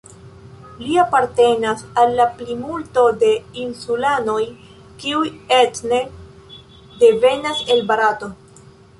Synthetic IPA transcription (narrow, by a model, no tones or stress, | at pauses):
liapaɾte̞nasalːaplimulto̞de̞insulano̞j | kiujetne | de̞ve̞nase̞lbaɾato̞